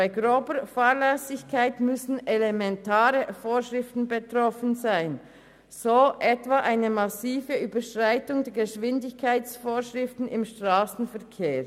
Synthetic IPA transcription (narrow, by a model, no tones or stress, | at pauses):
baɪɡʁoːbəfaːʁlɛsɪçkʰaɪtmʏsn̩elemɛntʰaːʁəfoːʃʁɪftn̩bətʁ̥ɔfn̩zaɪn | z̥oːʔɛtv̥aʔaɪnəmɑsiːvəʔyːbəʃʁ̥aɪtʊŋdɛːɐɡəʃv̥ɪndɪçkʰaɪtt͡sfoːʃʁɪftn̩ɪmʃtʁ̥aːsn̩fɛɐkʰeː